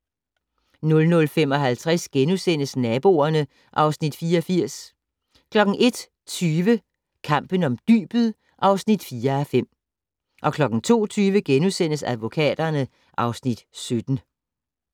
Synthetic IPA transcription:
nɔ̽lnɔ̽lfem̰ɒ̽ɦælt͡sʰʁasɡ̥enusen̰əsnɛːb̥o̝̰ːɐnə | ʔɑ̈ʊsnid̥fiːɐɒfiɐ̰s | kʰlɒ̽ɡ̥ŋ̩ʔe̝d̥ | t͡sʰyːʋə | kʰɑ̈m̰b̥ən̩ɒ̽md̥y̰ːb̥ð̩ˠ | ʔɑ̈ʊsnid̥fiːɐæfem̰ | ʔɒ̽kʰlɒ̽ɡ̥ŋ̩t͡sʰo̝̰ːt͡sʰyːʋəɡ̥enusen̰əsæð̞ˠʋo̝kʰɛ̰ːd̥ɐnə | ʔɑ̈ʊsnid̥sød̥n̩

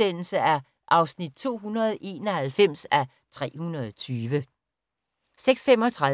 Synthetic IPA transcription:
en̰l̩səæɐ | ʔɑ̈ʊsnid̥̚t͡sʰo̝̰ːɦunɐð̞̩ˠʔe̝̰ːnɒhælfem̰sæ | t͡sʰʁɛ̰ːhunɐðˠt͡sʰyːʋə | seɡ̥sfemɒ̽t͡sʰʁɑ

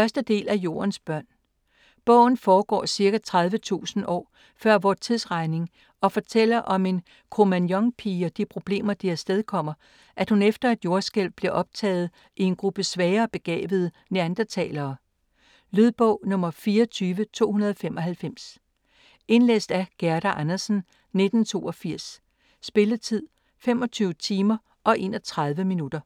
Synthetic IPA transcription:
fɶɐsd̥əd̥e̝̰ːlæjo̝̰ːɐnsb̥ɶɐ̰n | b̥ɔ̰̽ʊ̰n̩fɒːɡ̥ɒ̰ːsiɐɡ̥æt͡sʰʁɑ̈ðˠʋət͡sʰṵːsn̩ʔɒ̰ː | fɶɐ̰ʋɒːt͡sʰiðˠsʁɑ̈ɪne̝ŋ | ɒ̽fɒ̽t͡sʰel̰ɐʔɒ̽me̝n | kʰo̝mænjɒ̽ŋpʰiːɒd̥ipʰʁo̝b̥le̝̰ːmɐd̥iæɐsd̥eð̞ˠkʰɒ̽m̰ɐ | ʔæd̥hunefd̥ɐæd̥jo̝ɐsɡ̥el̰̚b̥liɐʔɒ̽b̥̚t͡sʰɛ̰ːð̞̩ˠ | ie̝nɡ̥ʁub̥əsʋɛːɐːb̥e̝ɡ̥ɛ̰ːʋ̥ð̞̩ˠ | neænd̥ɐt͡sʰɛ̰ːlɐː | lyðˠb̥ɔ̰ʊ̰nɔ̽mɐfiːɐɒt͡sʰyːʋət͡sʰo̝̰ːhunɐðˠɒfemɒ̽hælfem̰s | e̝nlḛːsd̥æɡ̥æɐɾ̥æʔænɐsn̩ | ne̝d̥n̩t͡sʰo̝̰ːɒfiɐ̰sː | b̥e̝lət͡sʰið̰ˠ | fem̰ɒ̽t͡sʰyːʊət͡sʰiːmɐ | ʔɒ̽ʔe̝̰ːnɒt͡sʰʁɑ̈ðˠʋəminud̥ɐ

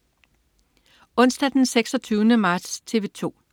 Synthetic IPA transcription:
ɔ̽n̰sd̥æd̥enseɡ̥sɒ̽t͡sʰyːʊnəmɑ̈d̥st͡sʰe̝ʋe̝t͡sʰo̝̰ː

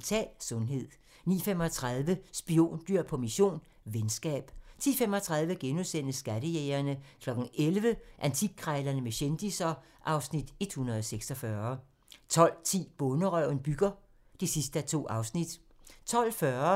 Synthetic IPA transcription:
t͡sʰɛ̰ːlsɔ̽nɦe̝ð̰ˠ | nḭːfem̰ɒ̽t͡sʰʁɑðˠʋəsb̥io̝̰ːnd̥yɐ̰pʰɒ̽miɕo̝̰ːn | ʋensɡ̥ɛ̰ːb̥t͡sʰḭːfem̰ɒ̽t͡sʰʁɑ̈ðˠʋəɡ̥enusen̰əsɡ̥æɾəjeːɐnəkʰlɒ̽ɡ̥n̩elʋəʔænt͡sʰiɡ̥̚kːʰʁaɪlɐnəmeɕend̥isɒ | ʔɑ̈ʊsnid̥e̝d̥hunɐðˠɒseɡ̥sɒfɶɐ | t͡sʰɒ̽l̰t͡sʰḭːb̥ɔ̽nəʁœʊ̰nb̥yɡ̥ɐ | d̥isisd̥əæt͡sʰo̝̰ːʔɑ̈ʊsnid̥ | t͡sʰɒ̽l̰fɶɐ

